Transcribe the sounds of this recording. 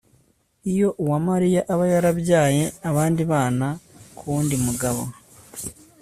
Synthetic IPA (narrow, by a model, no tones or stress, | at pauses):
ijo̞ʔuwamaɾijaʔaβajaɾaβɟaːje̞aβaːndiβaːnakʰuːndimuɡaβo̰